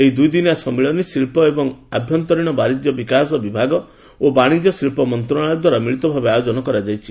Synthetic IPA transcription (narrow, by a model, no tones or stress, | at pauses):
eɦid̪ujd̪inasɔmiɭɔnisilpɔebɔŋabʱjɔnt̪ɔɾiɽ̃ɔbaɾid͡ʒ̪jɔbikasɔbibʱaɡɔ | obaɽ̃id͡ʒɔsilpɔmɔnt̪ɾɔɽ̃ajɔd̪waɾamiɭit̪ɔbʱabeajod͡ʒɔnɔkɔɾad͡ʒajt͡ʃʰi